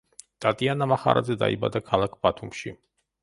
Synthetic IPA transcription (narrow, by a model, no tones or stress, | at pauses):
t̪ʼat̪ʼianamaχaɾʔa̰zɛd̪aiba̰d̪akʰalˠak̚ʰb̥at̪ʰumʃi